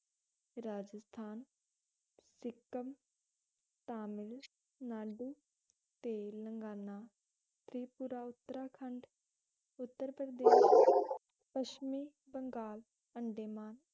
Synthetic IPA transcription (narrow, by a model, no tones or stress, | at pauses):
ɾaːd͡ʒəst̪ʰaːn | sɪkːəm | t̪aːmɪl | naːɖuː | t̪eːləŋɡaːnaː | t̪ʰɾiːpuɾaːʊt̪ːəɾaːkʰəɳɖ | ʊt̪ːəɾpɾəd̪eːʃ | pəʃmiː | bəŋɡaːl | əɳɖeːmaːn